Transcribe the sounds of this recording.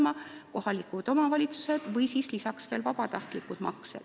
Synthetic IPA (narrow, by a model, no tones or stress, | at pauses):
mɑko̞hɑlikud̪̥o̞mɑvɑlʲit̪su̥se̞d̪̥vɤjsiːslisɑksve̞ːlvɑb̥ɑt̪ɑht̪likːud̪̥mɑ̰ksḛd̪̥